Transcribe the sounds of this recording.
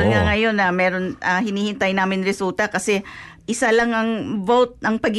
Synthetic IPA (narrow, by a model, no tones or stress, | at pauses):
nŋɐŋɐjo̞nːɐmɛːɾo̞nʔɐhɪniːhɪnt̪ajnaːmɪnɾɛsult̪ɐkɐsɛ | ʔɪsalɐŋɐŋvowt̪̚nɐŋpɐɡ